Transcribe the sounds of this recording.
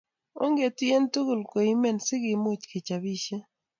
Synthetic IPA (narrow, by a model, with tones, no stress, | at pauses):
o˦ŋɡe˨ti˦e˦ntu˦ɡʊ˨lko˨i˦me˦˨nsɪ˦ɡɪ˨mʊ˦t͡ʃkɪ˨t͡ʃa˨bi˦ʃe˦